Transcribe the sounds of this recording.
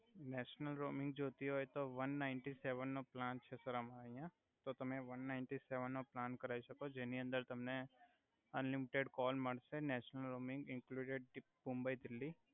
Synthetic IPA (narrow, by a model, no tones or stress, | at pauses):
nɛːʃnəlɾoːmɪ̃ŋɡ̚d͡ʒoːt̪iɦoːjt̪oʋɐnːaːɪɳʈiseːʋənːoplãːnt͡ʃʰesəɾəmaːiã | t̪ot̪ɐmẽʋɐnːaːɪɳʈiseːʋənːoplaːnkɐɾaːiʃɐkod͡ʒeːniə̃nd̪əɾt̪ɐmne | ɐnlɪmɪʈeɖkɔːlmɐɽsenɛːʃnəlɾoːmɪ̃ŋɡɪ̃ŋkluːɖeɖ̚ɖɪpmʊ̃mbəid̪ɪlːiː